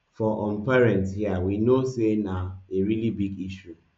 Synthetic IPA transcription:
fɔʔɔm̩pɛɾɛ̃ntshiawinosenaeɾilibiɡiʃu

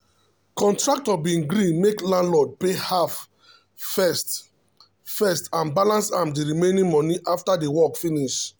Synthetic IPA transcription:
kɔ̃ntɹak̚tɔbĩɡɾĩnmeklãndlɔd̚pehav | fɛst | fɛstãnbalãnsãmdiɹimẽnĩŋmɔ̃niʔaftadewɔkfiniʃ

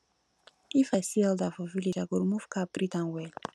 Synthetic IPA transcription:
ifasiɛldavɔvilid͡ʒaɡoɾmufkapɾitãŋwɛ

